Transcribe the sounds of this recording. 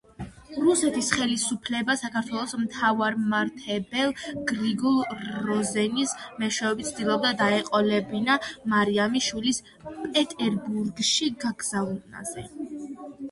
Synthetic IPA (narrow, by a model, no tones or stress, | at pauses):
ɾusɛt̪ʰisχɛlisupʰlɛbasakaɾt̪ʰwɛlˠɔsmt̪ʰavaɾmaɾt̪ʰɛbɛlˠɡɾiɡɔlˠɾɔzɛnismɛʃwɛvɛbit̪sʰd̪ilˠɔb̚d̪ad̪aɛqʼɔlɛbinamaɾiamiʃwilis | pʼɛt̪ʼɛɾbuɾɡʃiɡaɡz̥anna̰z̥ɛ